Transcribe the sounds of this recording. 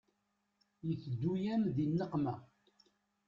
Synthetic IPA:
jəθd̪ːujæmðinːəqmæ

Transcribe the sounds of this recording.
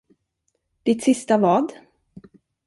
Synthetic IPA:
d̪̥ɪt̪sɪst̪avɑːd̪

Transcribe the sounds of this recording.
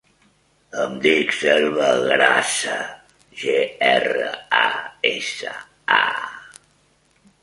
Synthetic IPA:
əmd̪ikselˠβəɣɾasə | ʒeɛrəaesə | a

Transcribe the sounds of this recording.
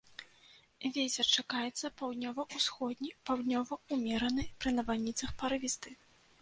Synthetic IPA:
vʲetʲɛrt͡ʂakajɛt̪sːɐpawd̪nʲɔvɐʔusxɔd̪ʲnʲipawd̪nʲɔvɐumʲɛɾɐnɨjpɾɨnɐvanʲit̪sɐxpaɾɨvʲist̪ɨ

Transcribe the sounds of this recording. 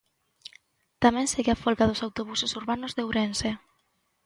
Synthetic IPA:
t̪amẽnseɣeafolkaðosawt̪oβ̞usosuɾβanozðewɾense

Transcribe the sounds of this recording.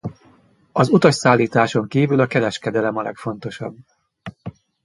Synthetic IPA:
ɒzut̪ɒʃsaːlːiːt̪aːʃo̞ŋkiːvylɒkɛɾɛʃkɛd̪ɛlɛmɒlɛ̰kfo̞nt̪o̞ʃɒ̰bː

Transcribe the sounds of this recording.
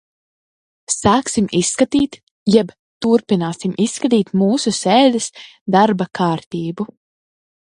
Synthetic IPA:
saːksimisːkat̪iːt̪ | jɛb | t̪uɾpinaːsimʔisːkat̪̬iːt̪muːsusɛːd̪ɛs | d̪aɾbakʰaːɾt̪iːbu

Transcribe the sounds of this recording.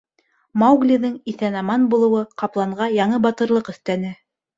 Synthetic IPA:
mɑwɡlʲiðɤŋiθænɑmɑnbulˠɤ̆wɤqɑplˠɑɴʁɑjɑɴɤbɑt̪ɤ̆ɾlˠɤqɵ̆θt̪ænɘ

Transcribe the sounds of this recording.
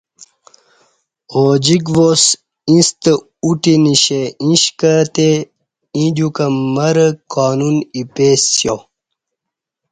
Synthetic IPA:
od͡ʑiɡvos | ĩst̪ə | uʈiniɕeĩɕkət̪e | ĩd̪ukɐmɐɾəkaːnunipeːsjo

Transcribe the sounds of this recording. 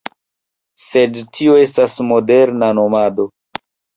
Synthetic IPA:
se̞dtʰioe̞stasmo̞de̞ɾnano̞mado̞

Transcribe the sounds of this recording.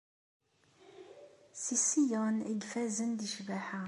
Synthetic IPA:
sisijəniɡfæzənd̪iʃvæħa

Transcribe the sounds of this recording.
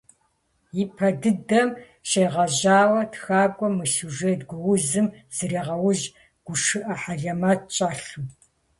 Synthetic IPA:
jipʰɐdɨdɐm | ʃejʁɐʑaːwɐtxaːɡʷʼɔmɨsuʒetɡʷʊwʊzɨmz̥ɨɾiːʁɐwʊʑ | ɡ̥ʷʊʂɨʔɐħaɮɐmɐt̚t͡ʃʼaːɬɨm

